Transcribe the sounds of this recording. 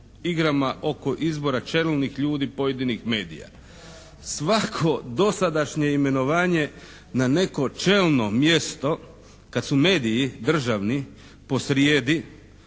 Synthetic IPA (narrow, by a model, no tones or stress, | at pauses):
iɡɾamaʔo̞koʔizbo̞ɾat͡ʃe̞lˠnixʎuːd̪ipoje̞d̪inixme̞ːd̪ḭja̰ | sʋakʰo̞d̪o̞sad̪aʃɲe̞ime̞no̞ʋaːɲe̞ | nane̞ko̞t͡ʃe̞lno̞mje̞st̪o̞ | kat̪sume̞ːd̪iid̪r̩ʒaʋni | po̞sɾjeːd̪i